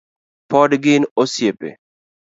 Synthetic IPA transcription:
pɔdɡɪnosjepḛ

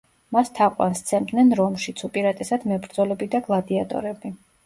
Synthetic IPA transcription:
mast̪ʰaqʼwa̰nst̪sʰɛmd̪nɛnɾɔmʃit̪sʰupʼiɾat̪ʼɛsad̪mɛbɾd̪zɔlɛbid̪aɡlˠad̪iat̪ʼɔ̰ɾɛbi

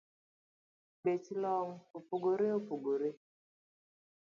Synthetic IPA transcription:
betilɔŋ̩opoɡoɾeopoɡoɾe

